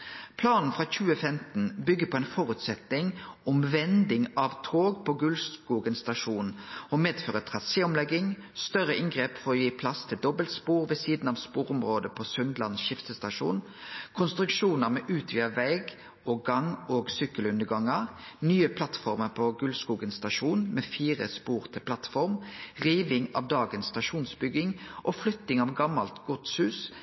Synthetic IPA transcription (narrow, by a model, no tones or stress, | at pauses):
pʰlɑːnn̩fʁɑːçʉːəfɛmt̪n̩bʏɡːəpʰɔeːnfɔʁʉt̪sɛt̪ɪŋɔmʋɛnd̪ɪŋɑʋt̪ʰoːɡpʰɔɡʉlskuːɡənst̪ɑʂuːnɔmeːd̪føːʁət̪ʰʁɑseːɔmlɛɡːɪŋst̪œʁəʔɪŋɡʁeːpfɔɾɔjiːpʰlɑst̪ʰɪld̪ɔbəlt̪spuːʁʋɛsiːd̪n̩ɑːʋspuːʁʊmʁoːd̪əpʰɔsʉnd̪lɑnsʃɪft̪əst̪ɑʂṵːn | kʰʊnst̪ɾʉkʃuːnəʁmɛʔʉːt̪ʰʋiːəʋɛɪɡ | oːɡɑŋoːɡsʏkːəlʉnd̪əɡɑŋəʁnyːəpʰlɑt̪fɔʁməʁpʰɔɡʉlskuːɡənsst̪ɑʂuːnmeːfiːʁəspuːʁt̪ʰɪlpʰlɑt̪fɔʁmʁiːʋɪŋɑ̰ːʋd̪ɑːɡənst̪ɑʃuːnsbʏɡɪŋʔɔflʏt̪ːɪŋɑʋɡɑmːɑlt̪ɡ̥ɔt̪shʉːs